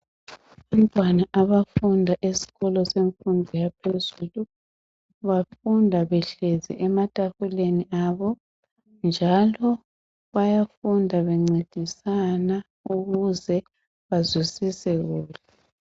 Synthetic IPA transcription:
βamtʼwanaʔaβafundʱaʔesi̥ɣɔlɔseɱfundʱijapʰezulu | βafundʱaβɛɬɛzɛ̰ʔɛmatʼahuleniʔaːβɔ | nd͡ʒʱalɔ | βajafundʱaβɛŋ͡ǀed̥ʱisana | uɣuzɛ | βazwisisɛɣuːla

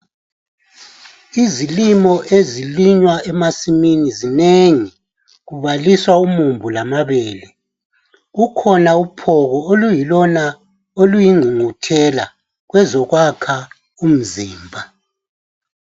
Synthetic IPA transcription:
izilimɔʔeziliɲwaɛmasiminizineŋi | ɣuβaliswaumumbʱulamaβeːlɛ | ɣukʰɔnaupʰɔɣɔolujilɔna | olujiŋ͡ǀʱiŋutʰɛla | ɣwɛzɔɣwakʰa | um̩ziːmbʱa

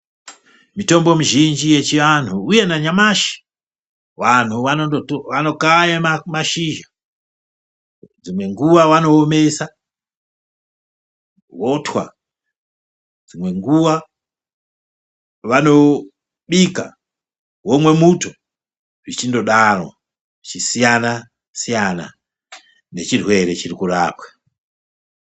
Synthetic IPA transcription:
mito̞mbo̞muʒind͡ʒijet͡ʃianʰuːje̞naɲamaʃi̥ | wan̤uʋanooʋano̞kajamamaʃiʒa | d͡zimwe̞ŋɡuwawano̞ːme̞sa | wotʰwa̰ | d͡zimwe̞ŋɡuʋa | ʋano̞ | ɓika̰ | womwe̞muto | ʐit͡ʃindo̞ɗarwa̰ | t͡ʃisijana | sijana̰ | ne̞t͡ʃirwe̞ɾe̞t͡ʃirikuɾaːpwḁ

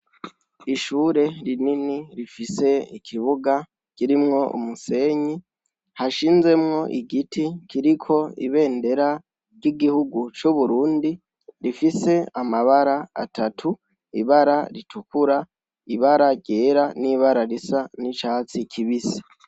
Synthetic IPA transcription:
iʃuːɾe̞ɾininiɾifise̞ikʰiβuɡa | kiɾimŋo̞ʔṵmuse̞ːɲi | haʃiːnze̞mŋo̞ʔiɡitikiɾikʰo̞ḭβe̞ːnde̞ɾa | ɾɟiɡihuɡut͡ʃuβuɾuːndi | ɾifise̞amaβaɾaa̰tʰatʰu | iβaɾaɾitʰukuɾa | iβaɾaɟe̞ːɾaniβaɾaɾisanit͡ʃaːt͡sikʰiβisḁ

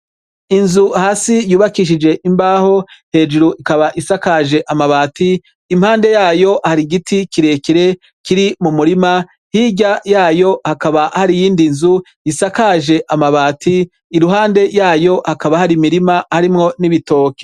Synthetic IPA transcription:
inzuhaːsijuːβakiʃ̬id͡ʒe̞ʔimbaːho̞he̞ːd͡ʒuɾuʔikaβaʔisakaːʒe̞ʔamaβaːtiː | m̥haːnde̞jaːjo̞haɾiɡitʰikiɾe̞kiɾe̞ | kiɾimumuɾima | hiɟajaːjo̞hakaβahaɾijiːndinzu | jisakaːʒe̞ʔamaβaːtʰiː | ɾuɦaːnde̞jaːjo̞hakaβahaɾimiɾimahaɾimŋo̞niβito̞ːke̥

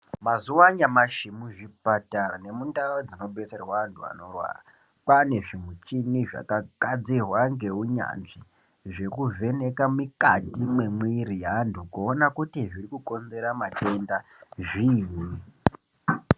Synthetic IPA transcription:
mazuwaɲamaʃimuʐipatane̞mundaod͡zino̞be̞t͡serwaːntʰua̰no̞rwa̰ra | pane̞ʐimut͡ʃiniʐa̰kakad͡zirwaŋɡe̞uɲa̰nʐi | ʐe̞kuve̞ne̞kamikatimwemwiɾijandʰukuonakutiʐirikuko̞nze̞ɾamate̞nda | ʐiːni

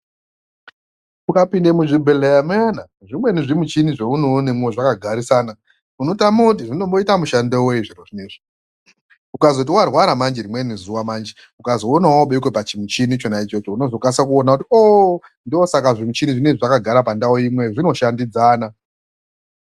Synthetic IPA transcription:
ukapindemuʐibʱelejamena | ʐimwe̞niʐimut͡ʃiniʐeunonemweʐakaɡʱaɾisaːna | unotamot̬iʐino̞mbo̞itamuʃandewoiʐiroʐineʐ̥i | ukazo̞tiuwarwaɾamand͡ʒeɾimwenizuwamaːnd͡ʒe | ukazoonawoɓeikwepat͡ʃimut͡ʃinit͡ʃonait͡ʃo̞t͡ʃouno̞zo̞kasakuonakutio | ndosakaʐimut͡ʃiniʐineʐakaɡʱaɾapandaoimwe̞ʐino̞ʃandid͡zaːna

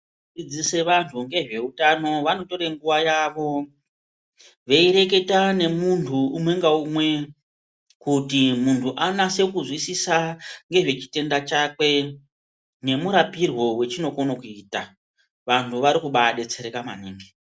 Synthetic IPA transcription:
d͡zid͡zise̞ʋantʰuŋɡe̞ʐe̞utano̞ʋano̞to̞ɾe̞ŋɡuʋajaʋo̞ | ʋe̞iɾe̞ke̞tane̞muntʰuːmwe̞ŋɡaumwe̞ | kutimuntʰuʔanase̞kuzwisisaŋɡe̞ʐe̞t͡ʃi̥te̞ndat͡ʃakwe̞ | ne̞muɾapirwo̞we̞t͡ʃino̞konokuiːta | ʋantʰuʋaɾikuɓaɗe̞t͡se̞ɾekama̰niːŋɡe

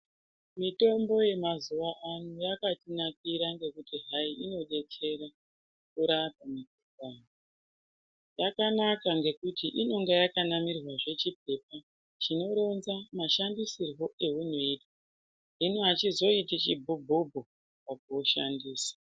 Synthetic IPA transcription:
mito̞mbo̞je̞mazuʋaʔanujakatinak̚iɾaŋɡe̞kutiɦaiʔino̞ɗe̞t͡se̞ɾa | kuɾatamikukaːno | jakanakaŋɡe̞kutʰiʔino̞ŋɡejakanamirwaʐe̞t͡ʃip̚e̞p̚a | t͡ʃino̞ɾo̞nzamaʃandisirwo̞e̞ɦunoitwa | ɦinuat͡ʃizo̞itit͡ʃibʱubʱubʱu | pak̚uoʃandiːsḁ

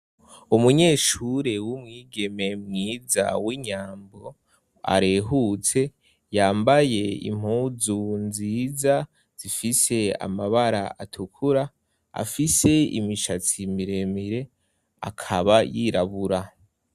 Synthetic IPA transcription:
umuɲe̞ːʃuɾewumŋiːɡe̞me̞mŋiːza̰wiɲaːmbo | a̰ɾe̞ɦut͡se̞ | jaːmbaje̞ḭm̥huːzunziːza | z̥ifise̞a̰maβaɾa̰atʰukʰuɾa | a̰fise̞ḭmiʃat͡simiɾe̞miɾe̞ | a̰kʰaβajiːɾaβuɾa

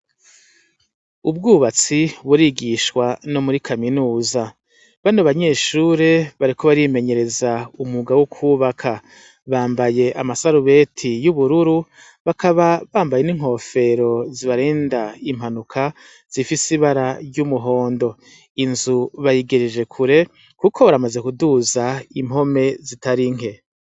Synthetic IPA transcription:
ub̚ɡuːβat͡siβuɾiɡiʃkwano̞muɾikʰaminuːza | βanoβaɲe̞ːʃuːɾe̞βaɾiko̞βaɾime̞ɲe̞ɾe̞zaumuɡawokʰuːβakʰa | βaːmbaje̞ʔamasaɾuβe̞tʰijuβuɾuɾu | βakʰaβaβaːmbaje̞niŋɦho̞ːfe̞ɾo̞ziβaɾe̞ːndaim̥hanukʰa | z̥ifisiβaɾaɾɟumuɦo̞ːndo̞ | inzuβajiɡeɾed͡ʒe̞kʰuɾe̞ | kukʰo̞βaɾamaze̞kuduzaimɦo̞me̞zitaɾiŋ̥e̞

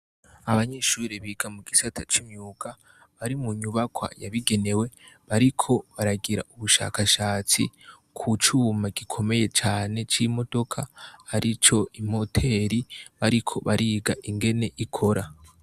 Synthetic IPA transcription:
aβaɲe̞ʃuːɾeβiɡ̥amuɡisatʰat͡ʃimɲuːka | βaɾimuɲuβakwa̰jaβiɡe̞ne̞we̞βaɾikʰo̞βaɾaɡiɾa̰uβuʃa̰kaʃaːt͡sḭ | kʰut͡ʃuːmaɡikʰo̞me̞je̞t͡ʃaːne̞t͡ʃimo̞do̞kʰahaɾit͡ʃo̞imo̞tʰe̞ɾiβaɾikʰo̞βaɾiːɡaʔiŋɡe̞ne̞ʔikʰo̞ɾa

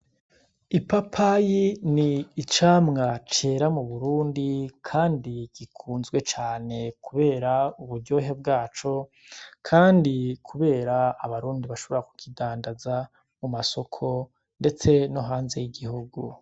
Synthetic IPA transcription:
ipapʰajiniːt͡ʃaːmŋat͡ʃe̞ːɾamuβuɾuːndikʰaːndiɡ̥ikʰuːnzɡwe̞t͡ʃaːne̞kʰuβe̞ːɾauβuɾɟo̞ːɦe̞bɡaːt͡ʃo̞ | kʰaːndikʰuβe̞ːɾaːβaɾuːndiβaʃo̞βoɾaku̥kidaːndaza | mumaso̞kʰo̞ | nde̞t͡se̞no̞ɦaːnze̞jiɡihuɡu

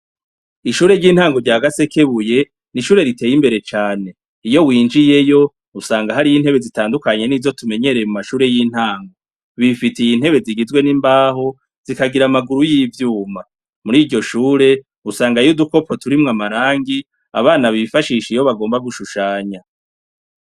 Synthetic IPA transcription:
iʃuːɾe̞ɾɟiːn̥haːŋɡo̞ɾɟaːɡase̞ke̞βuje̞ | niʃuːɾe̞ɾitʰe̞ːjimbe̞ɾe̞t͡ʃaːne̞ | ijo̞wiːnd͡ʒije̞jo̞ | usaːŋɡaɦaɾijin̥he̞βe̞zitaːndukaɲe̞niːzo̞tume̞ɲe̞ɾejmumaʃuːɾe̞jiːn̥haːŋɡo̞ | βifitijin̥he̞βe̞ziɡizwe̞nimbaːɦo̞ | z̥ikaɡiɾamaɡuɾujiːvjuːma | muɾiːɾɟo̞ʃuːɾe̞ | usaːŋɡajuduko̞po̞tuɾimŋamaɾaːŋɡi | a̰βaːnaβifaʃiːʃijo̞βaɡo̞ːmbaɡuʃuʃaːɲa

